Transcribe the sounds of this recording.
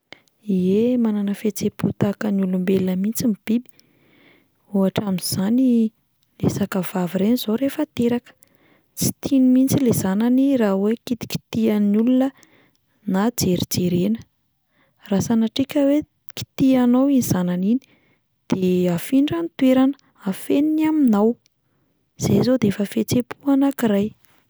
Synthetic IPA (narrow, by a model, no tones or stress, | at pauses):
iemananəfet͡seput̪akənulumbelnəmint͡simib̥ibi̥ | uaʈ͡ʂamiz̥ani | lesakəvaviɾenizoɾefat̪eɾakə̥ | t͡si̥t̪ʰinimint͡silezananirawekit̪i̥ki̥t̪ianulunə | nad͡zeɾid͡zeɾenə̥ | rasanaʈ͡ʂikʲəwe | ki̥t̪ianowiniz̥ananini̥ | d̪̥eafiɳɖ͡ʐanit̪weɾanə̥ | afeninaminaw | z̥ezod̪eefəfet͡sepʰuanakiɾaj